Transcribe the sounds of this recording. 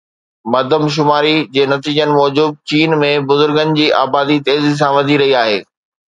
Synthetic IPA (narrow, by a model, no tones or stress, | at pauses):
mɐd̪ʱəmʃ̬ʊmaːɾid͡ʑeːnɐt̪iːd͡ʑənɪ̆mɔːd͡ʑʊb̚t͡ɕiːnmẽbʊzʊɾɡənɪ̆d͡ʑiːʔa̰ːbaːd̪it̪eːzis̬ãʋɐd̪ʱiɾɐɦiaːɦeː